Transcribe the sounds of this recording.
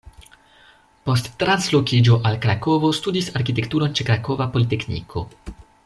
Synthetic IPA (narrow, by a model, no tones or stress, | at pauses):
po̞stːɾanslo̞kid͡ʒo̞ʔalkɾako̞vo̞studisaɾkite̞ktuɾo̞nt͡ʃekɾako̞vapo̞lite̞knḭkʰo̞̰